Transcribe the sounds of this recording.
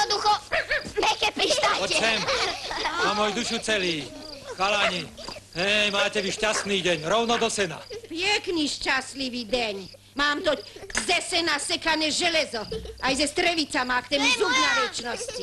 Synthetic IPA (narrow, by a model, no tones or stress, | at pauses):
ɔd̪uxɔmɛkɛpɾiʃt̪aɔt͡ʃɛɛm | amɔjud̪uʃut͡sɛliːxalaɲiɦɛjmaːcɛʋiʃcast̪niːɟɛɲɾɔʊnɔd̪ɔsɛna̰pjɛkniʃt͡ʃast̪liʋiːd̪ɛɲ | maːmt̪ɔzɛsɛnasɛkanɛʒɛlɛzɔajzɛst̪ɾɛʋit͡samakt̪ɛːmuzuɡjaʋɛt͡ʃnɔsci